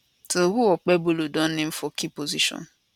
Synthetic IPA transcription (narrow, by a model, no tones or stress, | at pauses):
toɦuɔk͡pebolodɔn̩nɪm̩fɔkipoziʃɔ̰n